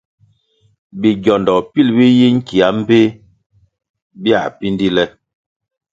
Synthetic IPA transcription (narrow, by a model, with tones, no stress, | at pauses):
bi˨ɡɔ˨ndɔ˨pi˦˨lbi˦ji˦ŋ̩˦ki˨a˨˦m̩˦be˦ | bja̰˨pi˦ndi˦lɛ˦